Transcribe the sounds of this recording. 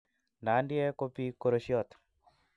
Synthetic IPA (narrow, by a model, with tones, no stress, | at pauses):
na˨˦ndɪɛ˦ko˦pi˦ko˦ɾoʃjɔ˦t̪